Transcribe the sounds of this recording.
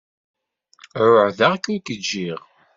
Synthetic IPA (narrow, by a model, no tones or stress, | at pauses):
ɾʊʕðaʁkækːəd͡ʒːiʁ